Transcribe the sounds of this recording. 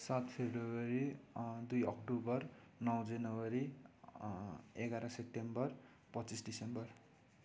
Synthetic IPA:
sat̪pʰebɾowʌɾid̪ujʌk̚ʈubʌr | nʌw̃d͡zʌnʌwʌɾi | eɡaɾʌ̃sep̚ʈembʌr | pʌt͡sisɖisembʌr

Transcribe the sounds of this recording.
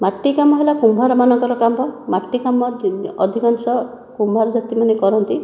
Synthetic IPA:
maʈːikamɔɦelakumbʱaɾɔmanɔŋkɔɾɔkambɔmaʈːikamɔɔd̪ʱikɔnsɔ | kumbʱaɾɔd͡ʒat̪imanekɔɾɔnt̪i

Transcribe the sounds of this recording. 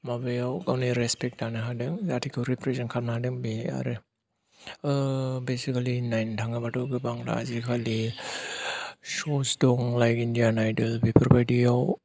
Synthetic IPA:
mabɯjawɡawniɾespek̚tanaɦadɯŋzatʰikʰɯwɾipʰɾesankʰanaɦadɯŋbia̰ɾe | besikalinajntʰaŋabatuɡɯbaŋɾa̰zikʰali | sosdɔŋlajkindijanajdɯlbipʰiɾbajdijaw

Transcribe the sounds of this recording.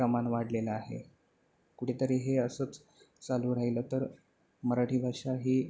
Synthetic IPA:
əmanʋaɽleləaɦḛ | kuʈʰet̪əɾeɦeəsət͡s | t͡saluːɾaɦiləːt̪əɾ | məɾaʈʰiːbʱaʂaɦiː

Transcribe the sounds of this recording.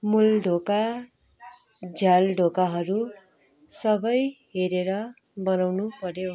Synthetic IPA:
mulɖʱoka | d͡zʱjalɖʱokaɦʌɾu | sʌbʌjɦeɾeɾʌ | bʌnawnupʌɾo

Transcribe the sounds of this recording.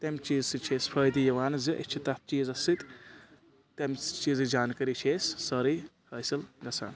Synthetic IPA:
t̪ɐmt͡ʃiːzsɨt͡ʃʰeːspʰɐjd̪ijɐʋaːnziʔḭt͡ʃʰit̪ɐt̪̚t͡ʃiːzɐsɨt̪ | t̪emt͡ʃiːzɨd͡ʒaːnkɐɾit͡ʃʰeːsːɐɾihɐːsilɡɐsʰa̰ːn

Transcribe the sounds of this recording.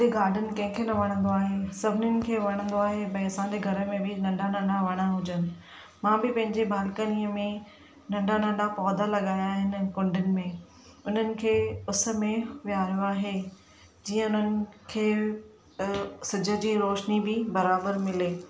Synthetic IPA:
d̪eɡaːɾɖʱənɪ̆kɐ̃ɦɪ̃kʰenɐʋɐɽ̃ə̃nd̪oaːɦesɐbʱɪnənɪ̆kʰeːʋɐɽ̃ə̃nd̪oaːɦebɐĩɐsãɲd͡ʑeɡʱɐɾə̆mẽbɪnɐ̃ɳɖʱanɐ̃ɳɖaʋɐɽ̃aɦʊd͡ʑənɪ̆ | mãːbɪpɐ̃ɦɪ̃ɲd͡ʑebʱaːlkəniːəmẽ | nɐ̃ɳɖanɐ̃ɳɖapɔːd̪ʱalɐɠaːjaːɦɪnɪkʊ̃ɳɖɪnɪ̆mẽ | ʊn̤ənɪ̆kʰeːʊsə̆mẽʋijaːɾijoaːɦe | d͡ʑiːə̃ʊn̤ənɪ̆kʰeː | sɪd͡ʑʱə̆d͡ʑiːɾoːʃnibɪbɐɾaːbəɾmɪleː

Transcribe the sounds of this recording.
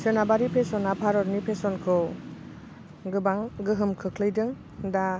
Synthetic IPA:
sɯnabaɾipʰesɔnapʰaɾɔɾnipʰesɔnkʰɯw | ɡɯbaŋɡɯɦɯmkʰɯkʰlɯjdɯŋ | da

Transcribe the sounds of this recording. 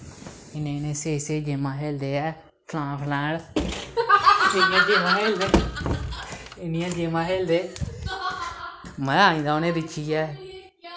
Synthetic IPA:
ɪnẽːɪnẽːseːseːd͡ʒemãːɦeːld̪eːɛː | pʰlãːpʰlɛ̃ːɽ | ɪnɪãːd͡ʒeːmãːɦeːld̪eː | ɪnɪjãːd͡ʒeːmãːɦeːld̪eː | mɛ̃ːaːĩːd̪aːonẽːɾɪt͡ʃʰiɛː

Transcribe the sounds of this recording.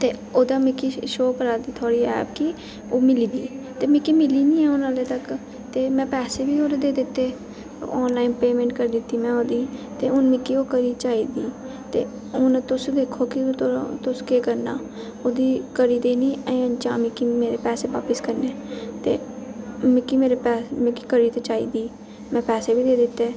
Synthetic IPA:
t̪eːoːd̪aːmɪkiːʃoːkəɾaːd̪iːt̪ʰoːɽiːɛ̰ːpki | oːmɪliːd̪iːt̪eːmɪkiːmɪliːnĩːɛːʊnãːleːt̪ək | t̪eːmɛ̃ːpɛːseːbiːoːɾd̪eːd̪ɪt̪ːeː | ɔːnlaːɪnpeːmẽːɳʈkəɾiːd̪ɪt̪ːiːmɛ̃ːoːd̪iːt̪eːʊnmɪkːiːoːkəɾiːt͡ʃaːiːd̪iː | t̪eː | ʊnt̪ʊsd̪eːkʰoːkɪt̪ʊskeːkəɾna̰ː | oːd̪iːkəɾiːd̪eːniːə̃ə̃t͡ʃaːmikimeːɾeːpɛːseːʋa̰ːpəskəɾneːt̪ḛː | mĩkiːmeːɾeːpɛːmẽkikəɾiːt̪eːt͡ʃaːiːd̪iː | mɛ̃ːpɛːseːbiːd̪eːd̪ɪt̪ːeː

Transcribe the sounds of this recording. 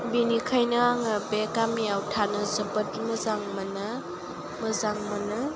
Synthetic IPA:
binikʰajnɯaŋabekamiawtʰanɐzɐbət̚mɐzaŋmɐnɐ | mɐzaŋmɐnɯ

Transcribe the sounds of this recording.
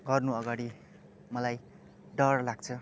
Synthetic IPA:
ɡʌrnuʌɡaɽi | mʌlaj | ɖʌrlaɡt͡sʰʌ

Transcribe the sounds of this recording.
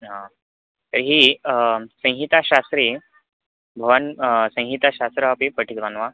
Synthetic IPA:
ɦã | t̪əɾɦiː | sə̃ɦit̪aɕast̪ɾiː | bʱəʋənsə̃ɦit̪aɕast̪ɾəapipəʈʰit̪ʋanʋa

